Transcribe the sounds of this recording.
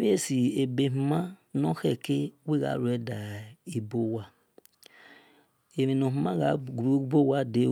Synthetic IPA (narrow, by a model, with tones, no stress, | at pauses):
βe˦si˨e˨be˨mu˨ma˦no˦xe˨ke˦we˦ɣa̰˨˦ɾu˨e˨˦da˨i˨bo˦wa˦ | e˨ɾe˨no˨ɦu˨ma˦ɣa˨ɡɾu˦bo˦wa˦de˦